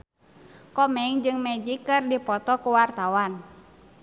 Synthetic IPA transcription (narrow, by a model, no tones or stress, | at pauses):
kɔmɛŋd͡ʒɨŋmɛd͡ʒikɨrdipɔt̪ɔkuwart̪awan